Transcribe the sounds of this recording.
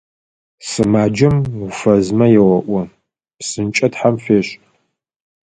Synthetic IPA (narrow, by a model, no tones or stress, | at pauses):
sɨmaːd͡ʒɐmʊfɐzmɐjɛwɐʔʷɔ | psɨnt͡ʃʼɐtħamfeːɕ